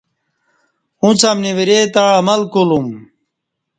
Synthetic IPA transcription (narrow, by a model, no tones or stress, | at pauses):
ũt͡sʰamniwiɾet̪aɭɐmɐlkolum